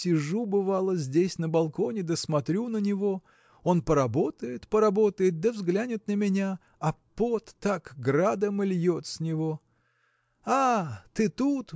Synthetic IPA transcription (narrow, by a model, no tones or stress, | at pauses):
sʲɪʐubɨvalˠəzʲdʲesʲnəbɐlˠko̞nʲɪd̪əsmɐt̪ɾʲunənʲɪvo̞ | o̞npəɾɐbo̞t̪əjɪt̪pəɾɐbo̞t̪əjɪt̪̚d̪əvzɡlʲænʲɪt̪nəmʲɪnʲa | ɐpot̪ːakɡrad̪əmɨlʲjot̪sʲnʲɪvo̞ | at̪ɨt̪ut̪